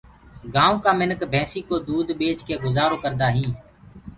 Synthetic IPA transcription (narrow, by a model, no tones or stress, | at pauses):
ɡãːõːkaːmɪnəkbʱɛ̃ːsiːkoːd̪uːd̪ɓeːt͡ʃkeːɡʊzaːɾoːkəɾd̪aːɦĩː